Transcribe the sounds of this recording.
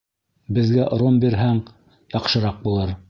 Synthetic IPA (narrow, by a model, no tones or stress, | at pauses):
bɘ̆ðɡæʔɾombiɾɦæŋ | jɑqʃɤ̆ɾɑq̚bulˠɤɾ